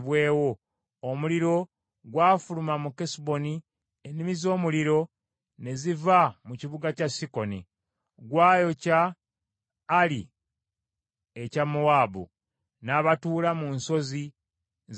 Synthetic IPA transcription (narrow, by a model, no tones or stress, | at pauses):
βwe̞ːwo̞ː | muliɾo̞ | ɡwaːfulumamukesbo̞ni | enimizo̞ːmuliɾo̞ | ne̞zivamuciβuɡacasiko̞ni | ɡwaːjo̞ca | li | ecamowaːbṵ | naːβatuːlamunso̞zi